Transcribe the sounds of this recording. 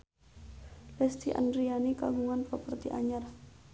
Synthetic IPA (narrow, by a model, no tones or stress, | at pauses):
lɛst̪iʔa̰ndɾianika̰ɡuŋanpəpərt̪iʔaɲar